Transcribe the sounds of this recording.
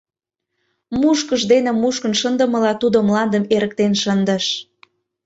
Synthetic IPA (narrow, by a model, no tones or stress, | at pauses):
muʃkəʃd̪enĕmuʃkə̆nʃənd̪ə̆mə̆lɑt̪ud̪omlɑnd̪əmeɾək̚t̪enʃənd̪əʃ